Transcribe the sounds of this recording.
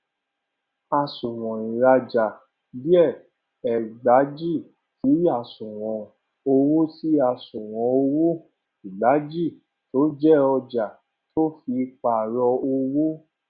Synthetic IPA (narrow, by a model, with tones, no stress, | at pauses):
a˧sũ˨w̃ɔ̃˨ĩ˨ɾa˧d͡ʒa˨ | bi˦ɛ˦˨ | ɛ˨ɡ͡ba˨˦d͡ʒi˦˨ | ti˨˦a˦˨sũ˨w̃ɔ̃˨ | o˧wu˦ti˦a˦˨sũ˨w̃ɔ̃˨o˧wu˦ | i˨ɡ͡ba˨˦d͡ʒi˦˨ | to˨˦d͡ʒɛ˦ɔ˧d͡ʒa˨ | to˦fi˧k͡pa˨ɾɔ˧o˧wu˦